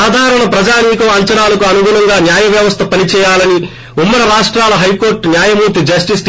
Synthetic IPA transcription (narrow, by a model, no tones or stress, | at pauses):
aːd̪ʱaːɾɐɳɐpɾɐd͡ʒaːniːkɐʋɐɲt͡ʃɐɳaːlɐkuɐnuɡuːlɐŋɡaːnjaːjɐʋjɐʋɐst̪ʰɐpɐnit͡ʃɛːjaːlɐni | umːɐɾɐɾaːʂʈɾaːlɐɦɐjko̞ːɾʈnjaːjɐmuːɾt̪id͡ʒɐsʈist̪